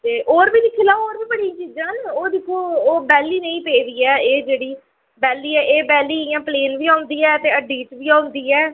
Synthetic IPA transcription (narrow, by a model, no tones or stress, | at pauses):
t̪eːʔoːɾbiːlɪkʰːilaːoːɾbiːbəɽĩt͡ʃiːd͡ʒãːnoːd̪ɪkʰːoːoːbɛːlːiːnəĩːpeːd̪iːɛːeːd͡ʒeːɽiː | bɛːliːɛːʔeːbɛːliːɪjãːpleːnʋiːaːʊnd̪iːɛːt̪eːəɖiːʈʋiːãːʊnd̪iːɛː